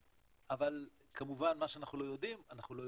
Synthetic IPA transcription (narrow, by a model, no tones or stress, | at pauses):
aval | kʰamuvanmaʃeanaχnulo̞jo̞d̪imanaχnulo̞j